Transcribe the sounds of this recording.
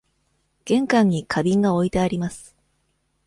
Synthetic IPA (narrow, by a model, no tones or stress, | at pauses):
ɡ̥ẽ̞ŋkãɲ̟ːikʰabʲĩŋɡao̞it̪e̞aɾʲimasɨ̥